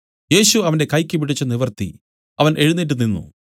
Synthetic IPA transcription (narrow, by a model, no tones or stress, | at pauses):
je̞ːɕuɐʋɐnde̞kɐjkʲːɨpiɽit͡ɕːɐniʋɐrt̪ḭ | ɐʋɐnʔe̞ɻunːiʈ̬ːuninːṵ